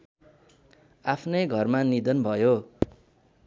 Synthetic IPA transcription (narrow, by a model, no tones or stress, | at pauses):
apʰnʌjɡʱʌrmanid̪ʌnbʱʌjo